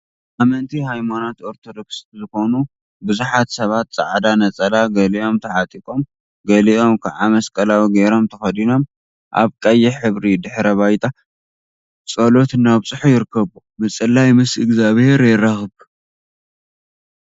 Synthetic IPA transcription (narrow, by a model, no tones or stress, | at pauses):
ʔamɐnt̪ʰiɦajmanot̪o̞ɾt̪ʰod̪o̞kszɨxo̞nu | bɨzuħat̪sɐβat̪̚t͡sʼa̰ʕd̪anɐt͡sʼɐlaɡɐliʔo̞mt̪ʰɐʕat̪ʼikʼo̞m | ɡɐliʔo̞mkʰaʕamɐskʼɐlawiɡɐɾo̞mt̪ʰɐxɐd̪ino̞m | ʔa̰βkʼɐjːɛħɨβɾid̪ɨħɾɐβajt̪ʼa | t͡sʼɐlo̞t̪naβt͡sʼɨħujɪɾɨkʰːɐβu | mɨt͡sʼɨlːajmɨsɨɡzaβhe̞ɾjɪɾɐxɨb